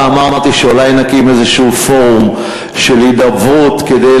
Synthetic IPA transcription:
amaʁat̪iʃeolajnakimezeʃufo̞ʁum | ʃelid̪avut̪ked̪e

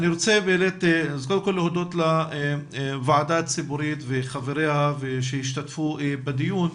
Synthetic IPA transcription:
niɾot͡sebeelet̪zkolkolːehod̪ot̪la | vaʕad̪aːt̪t͡sibuɾit̪veχaveɾehaveʃehiʃt̪at̪fubad̪ijun

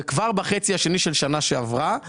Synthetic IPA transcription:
kvaʁbaχet͡siaʃe̞niʃelʃanaʃeavʁa

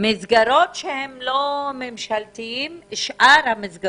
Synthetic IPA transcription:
mizɡaɾo̞t̪ʃehemlomemʃalt̪iimʃʔaɾhamizɡa

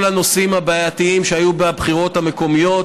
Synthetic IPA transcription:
lano̞simabaːjat̪iimʃeajubeabχiʁo̞t̪hame̞ko̞mijo̞

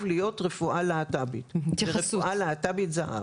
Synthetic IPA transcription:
vlijo̞tʁefuʔalaatabitesfualaːtabitzaha̰

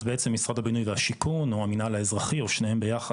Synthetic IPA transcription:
beet͡semːisʁadhabinujvehaʃikʰunuaminalaezʁaχioʃnehembejaχa

